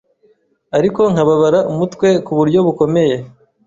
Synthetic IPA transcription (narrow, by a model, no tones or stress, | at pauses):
aɾikoŋ̥haβaβaɾaʔumutkwe̞kuβuɾɟo̞βuko̞me̞je̞